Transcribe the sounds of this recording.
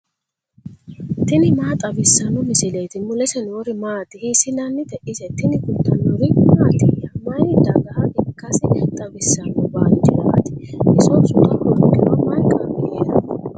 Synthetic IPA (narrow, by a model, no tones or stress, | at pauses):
t̪ɪnɪmaːt̪ʼɐbɪsːɐnɔmɪsɪlejt̪ɪmʊlɛsɛnwɔɾɪmaːt̪ɪhisɪlɐnːɪt̪ɛʔɪsɛt̪ɪnɪkʊt̪ːɐnːɔɾɪmaːt̪ɪjɐmɐjd̪ɐɡɐhɐʔɪkːɐsɪt̪ʼɐbɪsːɐnɔbant͡ʃːɪd̪ɐ̰ʔɐ̰t̪ɪʔɪsɔsʊt̪ʼɐʔɔɾt̪ːɪwɐmɐjkʼːɐmɪeːd̪ɐ